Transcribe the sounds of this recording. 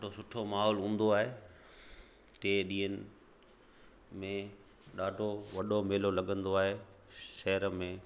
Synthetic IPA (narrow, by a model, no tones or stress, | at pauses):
ʈosʊʈʰomaːɦɔːlũːn̆d̪oaːɦeː | ʈeːɗĩːənɪ̆ | mẽ | ɗaːɖʱoʋɐɗomeːlolɐɠə̃nd̪oaːɦe | ʃɛɦɾəmẽ